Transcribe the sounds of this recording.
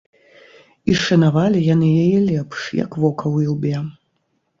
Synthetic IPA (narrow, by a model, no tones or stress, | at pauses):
iʂɐnavalʲijanɨjɛjɛlʲɛpʂja̰kvɔkɐwilˠbʲɛ